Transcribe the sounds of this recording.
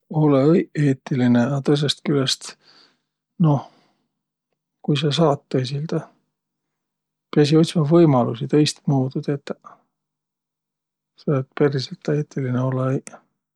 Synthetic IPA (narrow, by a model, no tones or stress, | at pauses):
o̞leje̞ːt̪ːˑilineɑt̪ɤs̬est̪kylest̪ | no̞ | kujsɑs̬ɑːt̪ːes̬ild̪̥ɑ | peɑs̬io̞t̪ʲsimɑvɤjmɑlusit̪e̞jst̪muːd̪ud̪̥et̪ːˑ | seet̪peɾiselt̪ːeːt̪ːˑilineo̞lej